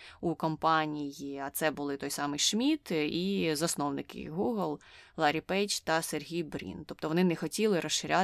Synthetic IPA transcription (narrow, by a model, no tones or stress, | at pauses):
ukɔmpɑnʲijiɐt̪sɛbʊlˠɪt̪ɔjsɑmɪjʃmʲit̪izɐsnɔʋnɪkɪ̰ɣuɦlˠlˠɑɾʲipɛt͡ʃt̪ɐserɦʲijbɾʲḭnt̪ɔp̚t̪ɔʋɔnɪnɛxɔtʲilˠɪɾɔsʃɪɾʲa